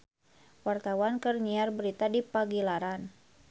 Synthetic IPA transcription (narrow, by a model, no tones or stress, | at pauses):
wart̪awankɨrɲiarbəɾit̪adipaɡilaɾan